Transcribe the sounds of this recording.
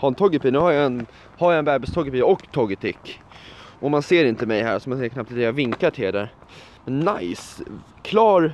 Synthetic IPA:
haɾɛnt̪ʰɔɡəpiːnʉːhajaɛn | haɾjaɛnbæːɾbɪst̪ʰɔɡɪpiɔkːt̪ʰɔɡət̪ʰɪkː | ʔɔmanseːɾɪnt̪əmɛjɦæ̰ːɾsɔmanseːɾkʰnap̚t̪t̪ɛjavɪŋkaʈʰɪld̪æ̰ɾ | mɛnːa̰js | kʰlɑːɾ

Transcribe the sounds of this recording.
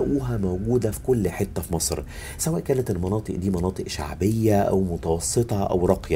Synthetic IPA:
ʔuːɦæmowɡuːd̪æfi̥kʊlːħet̪ːæfimɑsˤɾ | sæwæːʔkæːnæt̪elmɑnɑːt̪ˤɨʔd̪iːmɑnɑːt̪ˤɨʔʃa̰ʕbejːæʔæ̰wmʊt̪ɑwɑsˤːɨt̪ˤɑʔæ̰wɾˤɑqjɑ

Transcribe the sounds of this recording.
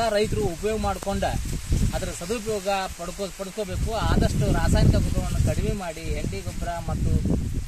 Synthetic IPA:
aɾɐjt̪ɐɾuːpɐjoːɡɐmaːɽkoɳɖɐɐd̪ɐɾɐsɐd̪up̬ɐjɔːɡɐpɐɽkopɐɽukoːbe̞ːkuaːd̪ɐʂʈuɾaːsaːjnikɐkut̪ːɐʋɐnːɐkɐɽiʋeːmaːɽiɦelɖiɡot̪ːɐɾɐmɐt̪ːu

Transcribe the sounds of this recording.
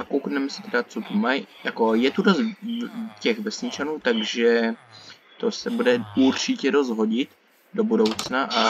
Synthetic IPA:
akowknɛmɛsɪ̥t̪ɛɾat͡sot̪umajjako̞jɛt̪udos | cɛɣvɛsɲɪt͡ʃanuːt̪aɡʒɛ | t̪o̞sɛbudɛuɾt͡ʃɪcɛɾo̞zɦo̞ɟɪt̪ | do̞budo̞wt͡snaʔa

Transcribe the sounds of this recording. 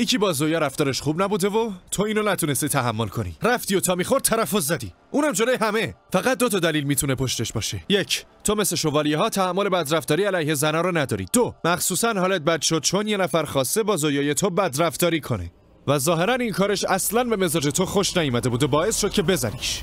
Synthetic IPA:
jecʰiːbɒːzojɒːɾæft̪ɒːɾe̞ʃxuːbnæbuːd̪e̞vot̪ʰoiːnonæt̪ʰunest̪it̪ʰæɦæmːo̞lkʰo̞nḭɾæft̪iːot̪ʰɒːmiːxo̞ɾt̪̚tʰːæɾæfozːæd̪ḭ | ʔuːnæmd͡ʒo̞lo̞jeɦæme̞fæɣæt̪̚d̪o̞t̪ʰɒːd̪æliːlmiːt̪ʰune̞pʰo̞ʃt̪e̞ʃbɒːʃeje̞cʰt̪ʰo̞me̞sle̞ʃo̞vɒːlijeɦɒːt̪ʰæhæmːo̞lebæd̪ɾæft̪ɒːɾiːælæjhe̞zænɒːɾɔnæd̪ɒ̰ːɾḭd̪̥omæxsuːsænhɒːlet̪̚bæd̪ʃod̪̥̚t͡ʃʰo̞nje̞næfæɾxɒːst̪ebɒːzojɒːje̞t̪ʰobæd̪ɾæft̪ɒːɾiːkʰo̞nḛ | væzɒːɦe̞ɾæninkʰɒːɾe̞ʃæslænbe̞me̞zɒːd͡ʒet̪ʰoxo̞ʃnæjumæd̪e̞buːd̪ebɒːe̞sʃod̪̚cʰe̞be̞zæ̰nḭːʃ

